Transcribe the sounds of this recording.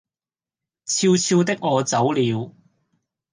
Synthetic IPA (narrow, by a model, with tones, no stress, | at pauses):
t͡sʰiː˧wt͡sʰiː˧wt̪ɪ˥k̚ŋɔː˨˧t͡sɐ˨˥wliː˨˧w